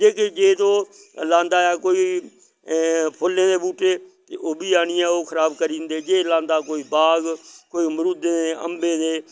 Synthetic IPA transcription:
d͡ʒeːked͡ʒeːt̪õː | lãːnd̪aːjaːkoːiː | pʰʊlẽːd̪eːbuːʈeːt̪eʔoːbiːaːnɪjɛ̃ːoːkʰəɾaːbkəɾĩːnd̪eːd͡ʒeːlãːnd̪aːkoːiːbaːɡkoːiːmɾud̪eːeːə̰mbẽːd̪eː

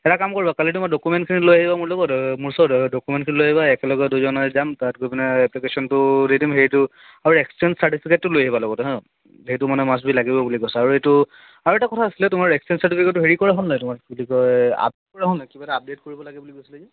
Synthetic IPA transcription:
ɛtakamkoɹibakalitʊmadɔkumɛntkʰinilojaɦibamʊɹlɔɡɔtmʊɹsɔdɔkumɛntkʰinilojaɦibaɛkɛlɔɡɔdujzɔnɔzamtat̚ɡobinɛɛplikesɔntʊdidimɦeɹitʊ | aɹuɛkstɛnsaʈipʰiketːʊlojaɦibalɔɡɔtɦɛ̃ | ɦeitʊmanɛmas̬bilaɡibɔbuliɡojsɔaɹuetʊ | aɹuɛtakɔtʰaːsilɛtʊmaɹɛkstɛnsaɹtipʰiketːuɦeɹikɔɹaɦɔnnɔjtʊmakbulikɔja̰p̚det̚kɔɹaɦɔnnajkibatɛap̚det̚koɹibɔlaɡɛbulikosilɛ

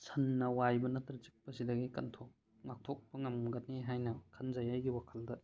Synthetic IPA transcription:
sʰɐnːɐwajbɐnɐtɾɐt͡ʃik̚pɐsidɐɡikɐntʰok | ŋak̚tʰɔk̚pɐŋɐmɡɐt̚nːeɦajnɐkʰɐnzajajɡiwakʰɐldɐ

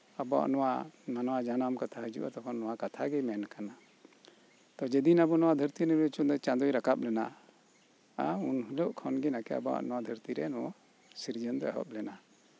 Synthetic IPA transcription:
abɔa̰ʔnɔwananɔwad͡ʒanamkat̪ʰaɦəd͡ʒṵʔat̪ɔkʰɔnːɔwakat̪ʰaɡɛmɛnkana | t̪ɔd͡ʒɛd̪inabɔnɔwad̪ʱəɾt̪inɛɾɛt͡ʃund̪ɔt͡ʃãd̪ujɾakap̚lɛna | aunɦulɔʔkʰɔnɡinakɛa̰bɔa̰ʔnɔwad̪ʱəɾt̪iɾɛnɔ | siɾd͡ʒənd̪ɛɦɔ̰p̚lɛna

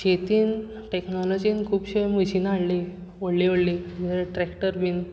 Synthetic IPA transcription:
t͡ɕet̪iːn | ʈeknɔlɔd͡ʑiːnkʰuːbɕeməɕiːnaɽli | ʋoɽliʋoɽlid͡ʑʈɾɛkʈəɾbiːn

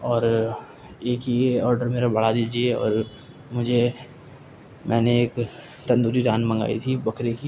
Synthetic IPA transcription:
ɔːɾ | eːkiɔːɾɖəɾmeːɾabʱɐɽad̪iːd͡ʒieɔ̰ːɾ | mʊd͡ʒʱe | mʔɛːneeːk | t̪ɐ̃nd̪uːɾiɾãːnmɐ̃ŋɡa̰ːḭt̪ʰibɐkɾeki

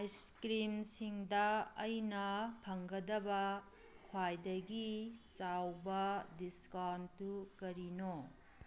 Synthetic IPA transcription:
ajskɾimsiŋdɐːjnɐpʰɐŋɡɐdɐbɐ | kʰwajdɐɡit͡ʃawbɐdiskantukɐɾino

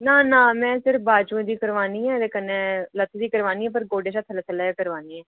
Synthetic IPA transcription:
naːnãːmɛ̃ːsɪɾbaːd͡ʒũːd̪iːkəɾʋaːniːɛ̃ːd̪eːkəneːlət̪ʰːd̪iːkəɾʋaːniːɛːp̬əɾɡoːɖeːʃaːt̪ʰələt̪ʰəlaːjaːkəɾʋaːniːɛː

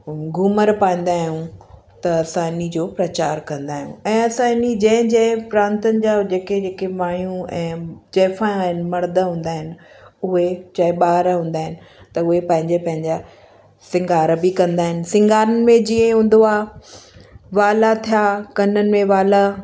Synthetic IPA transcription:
ɡʊməɾpaːĩːn̆d̪aːɦijũ | t̪ɐɐsãːnid͡ʑoːpɾɐt͡ɕaːɾkɐ̃nd̪aːɦijṵ̃ɛ̃ːɐsãɪnid͡ʑɐ̃ɦɪ̃d͡ʑɐ̃ɦɪ̃pɾãːnt̪ənɪ̆d͡ʑaːd͡ʑeːked͡ʑeːkemaːɳjũɛ̃ːd͡ʑɛːfãːɦɪnɪ̆mɐɽd̪əɦũːn̆d̪aːɦɪnɪ̆ | ʊɦet͡ɕɐːɪɓaːɾɦũːnd̪aːɦɪnɪ̆ | t̪ɐʊɦepɐ̃ɦɪ̃ɲd͡ʑepɐ̃ɦɪ̃ɲd͡ʑa | sɪ̃ŋɡaːɾbikɐ̃nd̪aːɦɪnɪ̆sɪ̃ŋɡaːɾənɪ̆mẽd͡ʑiə̃ɦũːnd̪oaː | ʋaːlat̪ʰijaːkɐnənɪ̆mẽʋaːla

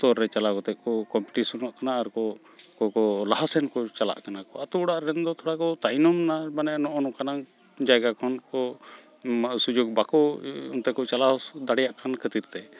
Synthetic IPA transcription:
t̪ɔɾːɛt͡ʃalakɔt̪ɛʔ̚kɔkɔmpuʈisunɔʔkanaːɾkɔ | kɔkɔlaɦasɛnkɔt͡ʃala̰ʔkanakɔat̪uɽaʔɾɛnd̪ɔt̪ʰɔɽakɔt̪ajnɔmnabanɛnɔʔɔnɔkanaŋ | d͡ʒajɡakʰɔnkɔ | sud͡ʒoɡ̚bakɔɔ̰nt̪ɛkɔt͡ʃalad̪aɽɛjaʔkʰankʰət̪iɾt̪ɛ

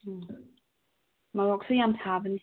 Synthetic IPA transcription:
malɔksəjamtʰavən

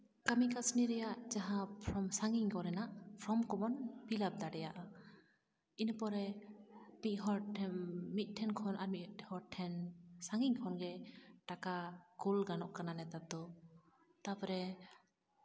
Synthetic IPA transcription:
kamikasniɾɛjaʔd͡ʒaɦãpʰɾɔmsaŋɡiŋkɔɾɛnaʔpʰɾɔmkɔmɔnpilab̚d̪aɖɛjaʔa | inpɔɾɛ | miɦɔʈmit̪̚ˀʈʰɛnkʰɔnʔaɾmihɔɾʈʰːɛnsaŋɡiŋkʰɔnɡɛʈakakulɡanɔʔkananɛt̪ad̪ɔ | t̪apɔɾɛ

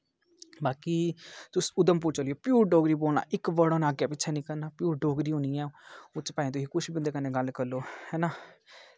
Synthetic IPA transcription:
baːkiːt̪ʊsʊd̪əmp̬ʊt͡ʃoːljoːpjuːɾɖoːɡɾiːboːlna̰ːʔɪkbəɽoːnaːɡjaːpɪtːʃʰaːnĩːkəɾnaːpjuːɾɖoːɡɾiːɦõnijɛ̃ːʊt͡ʃpaːĩːt̪ʊsiːkʊʃʰbĩnd̪eːkənẽːɡəlkəɾloːhɛːnaː

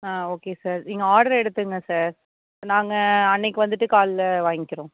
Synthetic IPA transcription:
aːoːkesaːɾnɪŋɡɐaːɽɐɾɛɽɯt̪ːɯŋɡɐsaːɾ | naːŋɡɐɐnːɛkːɯʋɐnd̪ɯʈːɯkaːllɐʋaːŋɡɪkːɪɾõ

